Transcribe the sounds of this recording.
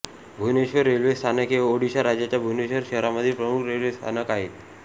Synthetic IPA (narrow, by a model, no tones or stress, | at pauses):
bʱuneɕʋəɾːelʋest̪ʰanəkɦeoɽiɕaɾad͡ʑjat͡ɕjabʱuneɕʋəɾɕəɦɾaməd̪ʱːjepɾəmukʰɾelʋest̪ʰanəkaɦet̪